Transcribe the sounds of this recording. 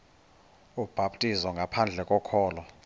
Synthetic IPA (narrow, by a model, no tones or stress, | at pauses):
ub̥ʱaɓtʼizɔŋɡʱapʰand͡ɮʱɛkʼɔkʰɔːlɔ